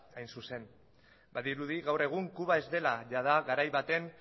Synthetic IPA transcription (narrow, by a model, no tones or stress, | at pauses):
ajnsuse̞n | baðiɾuðiɣawre̞ɣ̞uŋkuβae̞zd̪e̞laʝað̞aɣaɾajβat̪e̞n